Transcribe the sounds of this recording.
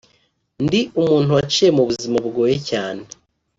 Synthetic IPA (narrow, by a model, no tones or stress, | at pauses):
ndiumuːntuwat͡ʃijemuβuzimabɡoːjecaːne